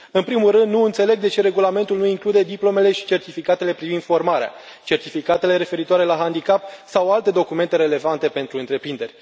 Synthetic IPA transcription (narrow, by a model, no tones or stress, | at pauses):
ɨnpɾimulrɨnd̪nuɨnt̪se̞le̞ɡ̚d̪e̞t͡ʃe̞ɾe̞ɡulame̞nt̪ulnuiŋklud̪e̞d̪iplo̞me̞le̞ʃi̥t͡ʃe̞rt̪ifikat̪e̞le̞pɾivind̪fo̞rmaɾea̰ | t͡ʃe̞rt̪ifikat̪e̞le̞ɾe̞fe̞ɾit̪oaɾe̞laɦand̪ikapsawalt̪e̞d̪o̞kume̞nt̪e̞ɾe̞le̞vant̪e̞pe̞nt̪ɾuɨnt̪ɾe̞pɾind̪e̞rʲ